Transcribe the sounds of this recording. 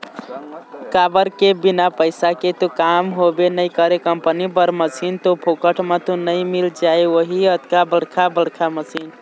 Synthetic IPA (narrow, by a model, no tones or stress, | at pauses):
kabəɾkebinapəɪsaket̪okamɦobenəɪkəɾekəmpənibəɾməsint̪opʰokəʈʰmãt̪onəjmild͡ʒaewoɦiət̪kabəɽkʰabəɽkʰaməsin